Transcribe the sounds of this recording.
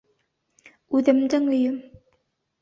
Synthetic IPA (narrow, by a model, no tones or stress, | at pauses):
ʉðɘ̆md̪ɘŋɵ̆jɵm